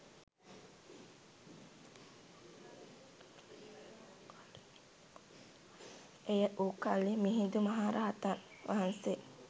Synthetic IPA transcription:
ejəʔuːkalimiɦind̪umaɦaːɾaɦat̪anʋʔaɦanse

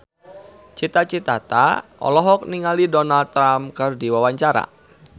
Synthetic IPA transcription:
t͡ʃit̪at͡ʃit̪at̪a̰ʔɔ̰lɔɦɔk̚niŋalidɔnald̚t̪ːɾamkɨrdiwawaɲt͡ʃaɾa̰

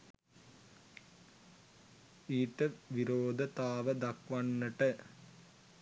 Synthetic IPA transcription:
iːʈːɐʋiɾoːd̪ʱɐt̪aːʋɐd̪ɐkʋɐɳːɐʈːɐ

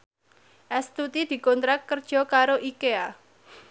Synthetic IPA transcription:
ʔɛst̪ut̪id̪̥i̤kɔnt̪ɾakkːərd̥ʒ̥ɔ̤kaɾoʔikea

